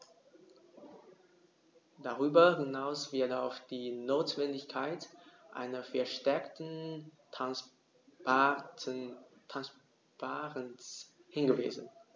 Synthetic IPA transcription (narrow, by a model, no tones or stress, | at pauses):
d̥aʁyːbɐhɪnaʊsv̥ɪɐtaʊfd̥iːnoːtv̥ɛndɪçkʰaɪtʔa̰ɪnɐfɛɐʃtɛɐktn̩ | tʰans | paːʁənshɪnɡəvḭːzn̩